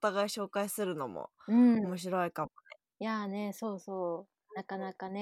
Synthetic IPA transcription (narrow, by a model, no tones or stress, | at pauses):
ot̪aɡaiɕo̞ːkaisɨɾɯ̟no̞̰mo̰ɯ̟̃omo̞ɕ̬iɾo̞ikamone | jane̞so̞ːsoː | nakanakane